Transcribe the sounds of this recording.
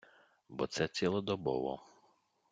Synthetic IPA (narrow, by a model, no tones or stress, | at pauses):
bɔt̪sɛt͡sʲilˠɔd̪ɔbɔ̰ʋɔ̰